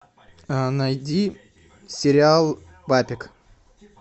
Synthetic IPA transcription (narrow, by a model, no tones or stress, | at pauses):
najd̪ʲi | sʲɪɾʲɪalˠ | bapʲɪk